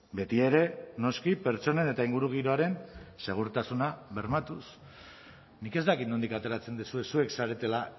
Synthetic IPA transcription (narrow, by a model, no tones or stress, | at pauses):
be̞t̪iaeɾe̞no̞skipe̞ɾt͡so̞ne̞ne̞t̪aiŋɡuɾuɣ̞iɾo̞aɾe̞nse̞ɣ̞uɾt̪asunaβe̞ɾmat̪us | nike̞zdt̪akit̪no̞nd̪ikat̪e̞ɾat͡se̞nd̪isue̞sue̞ksaɾe̞t̪e̞la